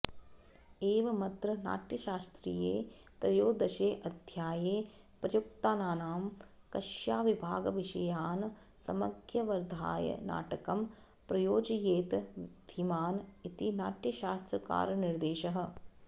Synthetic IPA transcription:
eːʋɐmɐt̪ɾɐna̰ːʈjɐʃaːst̪ɾḭjeː | p̪ɾɐjoːd̪ɐʃeːʔɐd̪ʱjaːjeː | pɾɐjukt̪aːnaːnaːm | kɐʃjaːʋibʱaːɡʋɪʃɐjaːn | sɐmɐɡjɐʋɐɾd̪ʱa̰ːjɐ̰na̰ːʈɐkɐm | pɾɐjoːd͡ʒjeːt̪d̪̥ʱimaːnit̪inaːʈjɐʃaːst̪ɾɐka̰ːɾnɪɾd̪eːʃɐɦɐ̆

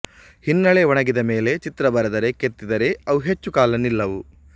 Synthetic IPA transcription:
hinːɐɭe̞ʋɔɳɐɡid̪ɐme̞ːle̞t͡ʃit̪ɾɐbɐɾɐd̪ɐɾe̞ket̪ːid̪ɐɾe̞ɐʋuɦe̞t͡ʃːukaːlɐnilːɐʋu

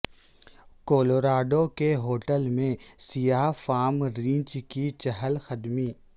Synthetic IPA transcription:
koːloːɾaːɖokeɦoːʈəlmẽsijaːfaːmɾĩːt͡ʃkit͡ʃəɦəlxəd̪miː

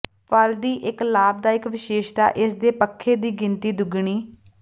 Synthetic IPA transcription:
pald̪iːʔɪklaːb̚d̪aːɪkʋɪʃeːʃd̪a̰ːʔɪsd̪eːpəkʰːeːd̪iːɡɪnt̪iːd̪ʊɡɳ̃iː

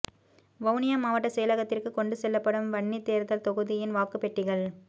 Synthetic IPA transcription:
ʋɐʊnɪjɐmaːʋɐʈːɐsɛjɐlɐɣɐt̪ːɪrkɯkɔɳɖɯsɛlːɐpːɐɽɯmʋɐɳːit̪eːɾðɐlt̪ɔɣɯðɪjɪnʋaːkɯpɛʈːɪɣɐɭ

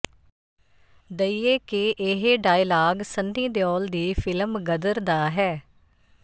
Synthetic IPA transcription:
d̪əiːeːkɪʔɪɦɖaːilaːɡsəniːd̪ɪjɔːld̪iːfʰɪləmɡəd̪əɾd̪aːɦɛː

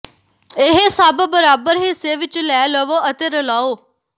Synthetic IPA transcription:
eɦesaːbəbəɾaːbəɾɦiseːʋɪt͡ʃlɛːləʋoʔɐt̪eɾɐlaːoː

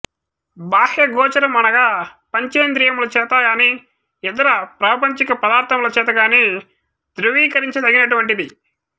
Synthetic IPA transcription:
baːhjɐɡɔːt͡ʃɐɾɐmːɐnɐɡaːpɐɲt͡ʃeːnd̪ɾijɐmlɐt͡ʃɛːt̪ɐɡaːniː | ɛd̪ɐɾɐpɾaːpɐɲt͡ʃikɐpɐd̪aːɾt̪ʰɐmlɐt͡ʃɛːt̪̬ɐɡaːniː | d̪ɾuʋiːkɐɾiɲt͡ʃit̪ɐɡinɐʈuʋɐɳʈid̪i

